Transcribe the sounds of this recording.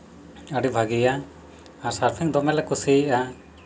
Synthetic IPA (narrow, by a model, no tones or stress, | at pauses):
əɖibʱaɡija | aɾsaɾpʰiŋd̪ɔmɛlakusiʔa